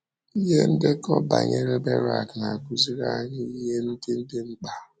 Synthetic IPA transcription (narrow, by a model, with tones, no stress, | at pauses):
i˦ɦe˦n̩˦dɪ˦kɔ˦ba̰˨ɲe˦ɾe˦be˦ɾa˨kna˨ku˨zi˦ɾa˦ɲɪ˦i˦ɦe˦n̩˦dɪ˦n̩˦dɪ˦ŋ͡m̩˦k͡pa˨